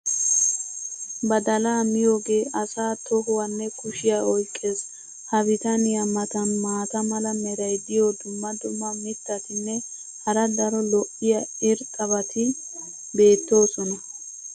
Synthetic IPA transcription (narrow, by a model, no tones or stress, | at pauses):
bɐd̪ɐlaːmɪjo̞ːɡe̞ːʔɐsaːt̪ɔɦʊwɐnːɛkʊʃɪjaɔjkʼːeːs | hɐbɪt̪ɐnɪjɐmɐt̪ɐnmaːt̪ɐmɐlɐmɛɾɐjd̪ɪjod̪ʊmːɐd̪ʊmːɐmɪt̪ːɐt̪ɪnːɛ | hɐɾɐd̪ɐɾɔlɔʔɪjɐɪɾkʼɐbɐt̪ʰɪ | be̞ːt̪ːo̞ːsɔnɐ